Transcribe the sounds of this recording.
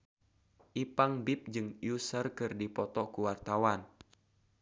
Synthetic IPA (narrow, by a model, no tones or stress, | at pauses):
ʔipaŋbip̚d͡ʒɨŋjusərkɨrdipɔt̪ɔkuwart̪awan